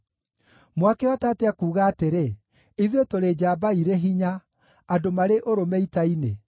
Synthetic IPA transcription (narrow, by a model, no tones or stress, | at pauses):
mwakɛwatateakuːɣaːteɾe | iðetoɾed͡ʑabaiɾeɦiɲaː | domaɾeʔoɾomɛitaine